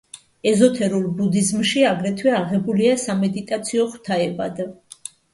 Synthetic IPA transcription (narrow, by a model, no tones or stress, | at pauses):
ɛzɔt̪ʰɛɾulˠbud̪izmʃiaɡɾɛt̪ʰwɛaʁɛbuliasamɛd̪it̪ʼat̪sʰiɔχwt̪ʰaɛbad̪